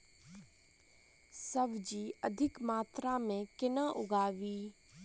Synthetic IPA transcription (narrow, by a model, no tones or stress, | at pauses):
səbd͡ʒiːəd̪ʱɪkmaːt̪ɾamẽkɪnəʔʊɡaːʋiː